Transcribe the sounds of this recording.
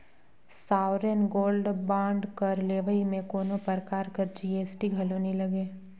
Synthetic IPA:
saːʊɾenɡoːlɖbãːɳɖkɐɾleːʋəimẽkoːnõpəɾkaːɾkəɾd͡ʒiːeːsʈiɡʱɐlonilɐɡeː

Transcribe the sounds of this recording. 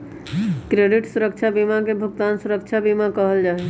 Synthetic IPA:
kɾeɖɪʈsuɾəkt͡ʃʰabimakebʱʊk̚t̪aːnsuɾək̚t͡ʃʰabimakəɦəld͡ʒaːɦɛ

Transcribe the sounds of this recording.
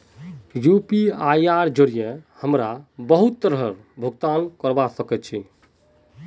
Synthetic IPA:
jupiajaɾd͡ʒəɾijɛhəmɾabəɦut̪ːəɾɦəɾ | bʱəɡ̚t̪ankəɾbasəkɛt̪̚t͡ʃʰi

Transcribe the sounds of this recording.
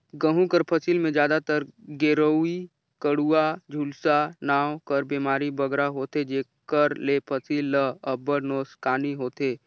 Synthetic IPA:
ɡəɦũkəɾpʰəsilmẽd͡ʒjaːd̪at̪əɾɡeːɾəi | kəɽuad͡ʒʱulsanaːwkəɾbeːmaːɾibəɡɾaɦoːt̪ed͡ʒeː | kəɾlepʰəsilːəəbəɾnoːskaːniɦoːt̪eː

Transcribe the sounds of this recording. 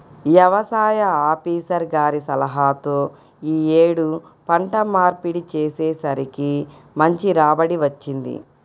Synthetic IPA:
ʋjɐʋɐsaːjɐaːpiːsɐɾɡaːɾisɐlɐɦaːt̪o̞ː | iːeːɽu | pɐɳʈɐmːaːɾpiɽit͡ʃeːseːsɐɾiki | mɐɲt͡ʃiɾaːbɐɽiʋɐt͡ʃːind̪ḭ

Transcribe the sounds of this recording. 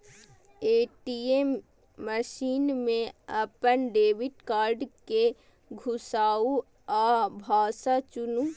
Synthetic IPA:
eːʈiemː | əʃiːnmẽəpənɖeːʋɪʈkaːɾɖke | ɡʱʊsaːu | aːbʱaːsat͡ʃʊnu

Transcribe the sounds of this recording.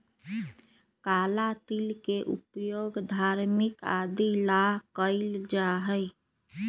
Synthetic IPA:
kalat̪ilkeʔṵpjoɡd̪ʱaɾmɪka̰d̪ilaɦkəɪld͡ʒaɦəɪ

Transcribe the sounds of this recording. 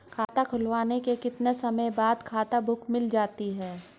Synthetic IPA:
kʰaːt̪akʰʊlwaːnekekɪt̪nesɐməjbaːd̪kʰaːt̪abʱʊkʰmɪld͡ʒaːt̪iɦɛː

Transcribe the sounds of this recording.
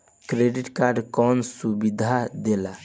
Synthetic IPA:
kɾeɖiʈkaɾɖkɔnsubid̪ʱad̪ela

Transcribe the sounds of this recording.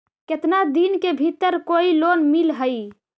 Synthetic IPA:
ket̪nad̪inkebʱit̪ːəɾkoilonmilɦəi

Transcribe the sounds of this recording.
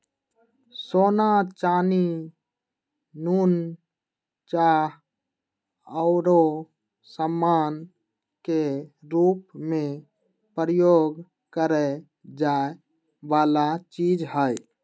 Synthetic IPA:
sonat͡ʃani | nun | t͡ʃaɦ | əʊɾo | səmːan | keɾupme | pɾəjoɡ | kəɾɛ | d͡ʒae | balat͡ʃid͡ʒɦəj

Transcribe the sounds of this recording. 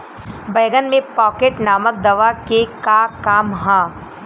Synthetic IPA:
bɐːɡənmẽpɔːkeːʈnaːmək̚d̪ɐʋakekakaːmɦãː

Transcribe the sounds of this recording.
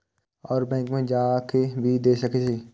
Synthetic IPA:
ɔːɾbɛ̃ːŋkmẽd͡ʒaːkebʱid̪eːsəketiː

